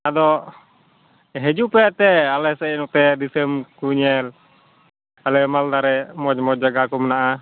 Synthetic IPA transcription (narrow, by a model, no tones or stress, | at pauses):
adɔ | ɦɛd͡ʒupɛt̪ɛalɛsɛnut̪ɛdisɛmkuɲɛl | alɛmald̪aɾɛmɔd͡ʒmɔd͡ʒaɡakumnaʔa